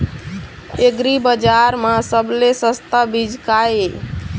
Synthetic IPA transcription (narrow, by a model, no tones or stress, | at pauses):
eɡɾibəd͡ʒaɾmasəblesəst̪abid͡ʒʱkaje